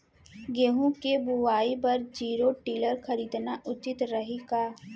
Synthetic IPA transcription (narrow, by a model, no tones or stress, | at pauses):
ɡeɦũkebuʋaːibɐɾd͡ʒiːɾoʈiːləɾxɐɾiːd̪naʔʊt͡ʃɪt̪ɾɐɦikaː